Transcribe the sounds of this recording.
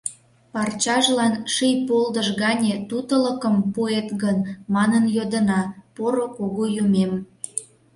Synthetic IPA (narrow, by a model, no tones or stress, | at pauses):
pɑrt͡ɕɑʒlɑnʃijpold̪əʃɣɑnʲet̪ut̪ələkəmpuet̪ɣənmɑnənjod̪ənɑpoɾokoɣojumem